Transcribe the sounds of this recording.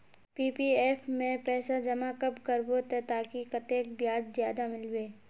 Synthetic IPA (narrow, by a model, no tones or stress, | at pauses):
piːpieːfmẽpɛːsad͡ʒɐmakɐbkɐɾbot̪et̪aːkikɐt̪eːkbjaːd͡ʒzjaːd̪amɪlweː